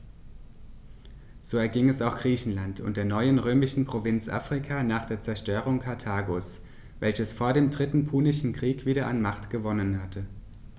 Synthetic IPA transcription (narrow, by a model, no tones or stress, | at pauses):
z̥oːɛɐɡɪŋɛsaʊxɡ̥ʁiːçn̩lantʊ̰nt̚d̥eːɐnɔʏənʁøːmɪʃn̩pʁ̥ovɪnt͡sʔa̰ːfʁ̥ɪkʰaːnaːχd̥eːɐt͡sɛɐʃtøːʁ̞ʊŋkʰaɐtʰaːɡoːs | vɛlçəsfoːɐdeːmdʁɪtn̩pʰuːnɪʃn̩kʁ̥iːkv̥iːɾɐʔanmaχtɡ̥əvɔnənhatʰə